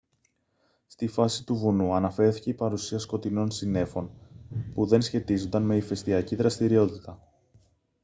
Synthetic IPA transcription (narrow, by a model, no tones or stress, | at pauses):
st̪ifɐsit̪uvunuɐnɐfe̞ɾθice̞ipɐɾusiɐsko̞t̪ino̞nsine̞fo̞npuðe̞nsçe̞t̪izo̞nd̪ɐnme̞ife̞st̪iɐciðɾɐst̪iɾio̞t̪it̪ɐ